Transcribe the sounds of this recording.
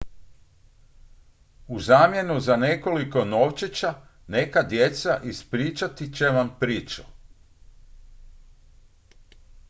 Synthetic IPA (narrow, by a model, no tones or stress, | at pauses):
uzaːmje̞nuzane̞ko̞liko̞noːʋt͡ʃet͡ɕane̞kad̪je̞t̪saʔispɾiːt͡ʃat̪it͡ɕeʋampɾiːt͡ʃu̥